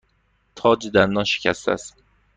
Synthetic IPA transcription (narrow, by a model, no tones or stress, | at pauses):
t̪ʰɒːd͡ʒed̪ænd̪ɒnʃe̥cʰæst̪ʰæ̰st̪